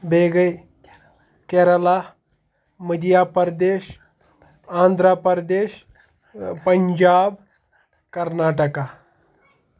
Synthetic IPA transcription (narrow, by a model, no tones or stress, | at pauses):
bʱeːɡəj | keɾəla | məd̪ijaːpəɾd̪eːʃ | ãːnd̪ʱɾapəɾd̪eːɕ | pɐɲd͡ʒaːb | kɐɾnaːʈəka